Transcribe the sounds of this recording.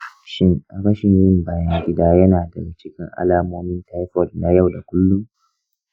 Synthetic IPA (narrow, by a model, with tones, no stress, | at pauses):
ʃɪ˦ŋʔa˨bɐ˦ʃɪ˨ɲjɪ˦mbaː˦jɐ˦ŋɡʲɪ˦daː˦jɐ˦naː˨dɐ̰˨ɡɐ˨t͡ʃɪ˦kʲɪ̰˦ŋʔa̰˦laː˦moː˦mɪ˦ntʰa˦jɸɔ˨dna˨jɐ˦˨wda˨kʷʊ˦lːʊ˦m